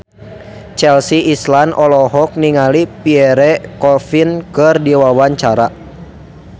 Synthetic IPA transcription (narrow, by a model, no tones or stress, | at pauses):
t͡ʃɛlsiːslanʔɔlɔɦɔk̚niŋalipiɛɾɛkɔfinkɨrdiwawaɲt͡ʃaɾa